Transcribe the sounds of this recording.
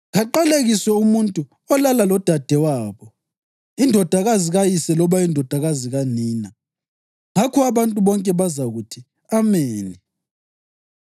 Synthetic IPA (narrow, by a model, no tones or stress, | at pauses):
ɣaǃaleɣisɛumuntʼu | ɔlalalɔd̥ʱad̥ʱɛwaːβɔ | indʱɔd̥ʱaɣaziɣajisɛlɔβaindʱɔd̥ʱaɣaziɣaniːna | ŋakʰɔaβantʼuβɔŋkʼɛβazaɣutʰi | ameːni